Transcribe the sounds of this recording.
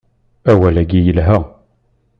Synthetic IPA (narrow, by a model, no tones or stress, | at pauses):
æwælæɡijəlɦə